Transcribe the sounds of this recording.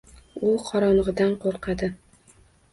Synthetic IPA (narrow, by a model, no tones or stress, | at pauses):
ulˠqʰɒɾɒnʁɨd̪anqoɾqɑd̪ɪ